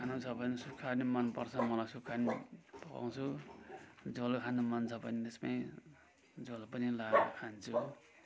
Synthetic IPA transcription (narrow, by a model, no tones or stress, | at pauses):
kʰanut͡sʰʌbʱʌnisukʰanimʌnpʌrt͡sʰʌmʌlajsukʰanipʌka̰w̃t͡sʰu | d͡zolkʰanumʌnt͡sʰʌbʌnit̪espaĩ | d͡zolpʌnilakʰant͡sʰu